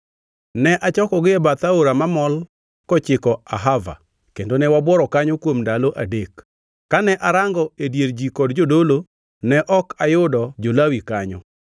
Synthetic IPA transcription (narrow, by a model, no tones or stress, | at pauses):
nɛʔat͡ʃɔkɔɡɪɛbat̪aoɾamamɔl | kɔt͡ʃɪkɔa̰ɦava̰ | kendonɛwabwɔɾɔkaɲokwomndaloʔadek | kːanɛʔaɾaŋɡɔedjeɾd͡ʒikɔdd͡ʒodolo | nɛʔɔkajʊdɔd͡ʒolawikaɲɔ̰